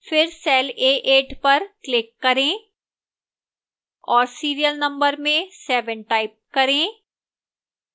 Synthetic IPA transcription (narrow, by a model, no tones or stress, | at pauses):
fɪɾsɛːleːʔeːʈpɐɾklɪkːɐɾẽː | ɔːɾsiːɾijəlnɐ̃mbəɾmẽsɛːʋə̃ɳʈaːɪp̚kɐɾẽː